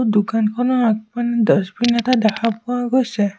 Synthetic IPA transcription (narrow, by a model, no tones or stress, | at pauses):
dukankʰɔnɔak̚manidɔsbinatadɛkʰapʊwaɡojsɛ